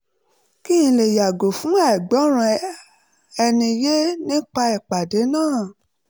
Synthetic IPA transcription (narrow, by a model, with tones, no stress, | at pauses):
ki˦ĩ˧le˨ja˨ɡo˨fũ˨˦a˦˨i˨ɡ͡bɔ˨˦ɾ̃ũ˧ | ɛ˧nĩ˧je˦nĩ˦k͡pa˧i˨k͡pa˨de˨˦nãː˦˨